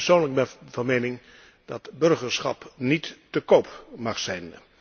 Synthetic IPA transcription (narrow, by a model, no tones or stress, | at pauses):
soːnləɡ̚bɛvɑnmejnɪŋ | d̥ɑtbɵrχəɹsχɑ̰pnitːəkowpmɑχsɛjn